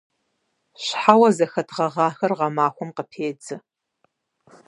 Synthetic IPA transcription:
ɕħawɐzɐxɐtʰʁɐʁɑːxɐrʁɐmaːxʷɔmqəpʰeːd͡zɨ

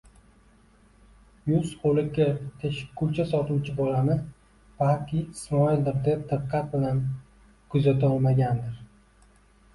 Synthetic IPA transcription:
jʊsqolˠɪkʲeɾt̪ʰeʃɪ̥kʰːʊlt͡ʃʰasɒt̪uwt͡ʃʰɪbɒlanɪ | b̥alkʲʰɪɪsmɒild̪ɪɾd̪ep̚d̪̥ɨqqʰːɑt̪̚bɪlan | kʰʊzat̪ʰaɒlˠmaɡʲand̪ɪɾ

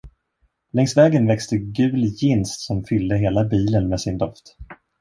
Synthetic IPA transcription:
lɛŋsvɛːɡənvɛkst̪əɡʉ̟ːljɪnst̪sɔmfʏld̪əɦeːlabiːlənmeːsɪnd̪ɔft̪

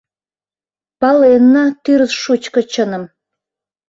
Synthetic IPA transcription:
pɑlenːɑt̪yɾʃut͡ɕkə̆t͡ɕə̆nə̆m

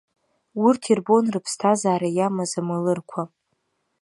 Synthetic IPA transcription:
urtʰirbo̞nrɨpʰstʰazaːɾajamazamalɨrkʷʰa

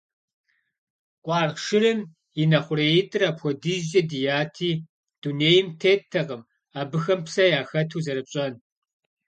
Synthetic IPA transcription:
kʷʼɑːrʃɪrɨm | jinɐχʷʊreːjɪtʼɨrɐpxʷɔdɨʒɐdijaːtʰiː | d̥uneːjɪmtʰeːtʰːɐqʼəm | aːbɨxɐmpsɐjaːxɐtʰuːzɐɾɨpɕʼɐn

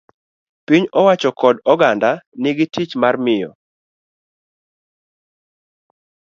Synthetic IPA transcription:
piɲɔwat͡ʃɔkɔdɔɡandanɪɡɪtit͡ʃmarmɪjɔ̰

